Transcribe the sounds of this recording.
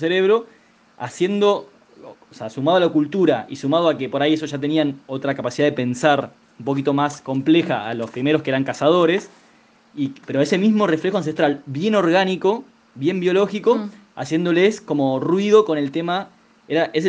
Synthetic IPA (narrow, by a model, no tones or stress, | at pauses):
seɾeβ̞ɾo̞ | a̰sje̞nd̪o̞ | seasumaðalakult̪uɾaʔisumað̞oakepo̞ɾajes̬oʒat̪̬e̞niano̞t̪ɾakapasiðaðepe̞nsaɾ | umpo̞k̬it̪o̞masko̞mple̞xa̰alo̞spɾime̞ɾo̞skeeɾaŋkasað̞o̞ɾe̞s | ipeɾoae̞se̞mizmo̞refle̞xo̞ans̬e̞st̪ɾalβje̞no̞ɾɣaniko̞ | βje̞mbjo̞lo̞xiko | a̰sje̞nd̪o̞lesko̞mo̞rwið̞o̞ko̞ne̞lt̪e̞ma | eɾaʔes